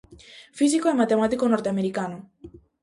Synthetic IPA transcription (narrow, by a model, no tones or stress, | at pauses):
fis̬ikoɛmat̪emat̪ikonɔɾt̪eameɾikano